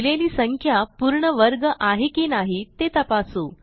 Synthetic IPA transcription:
leliːsəŋkʰjapuːɾɳəʋəɾɡəʔaɦekinaɦit̪et̪əpasuː

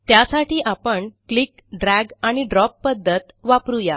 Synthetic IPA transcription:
t̪jasaʈiːʔapəɳklik | ɖɾæɡaɽ̃iɖɾɔpːəd̪ʱːət̪ʋapɾuja

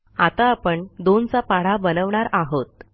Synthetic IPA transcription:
at̪aːpəɳd̪ont͡sapaɽ̤abənəʋɳaɾaɦot̪̚

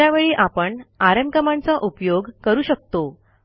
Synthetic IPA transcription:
aʋeɭiːʔapəɳaɾəmkəmant͡saʔupjoɡkəɾuːɕək̚t̪o

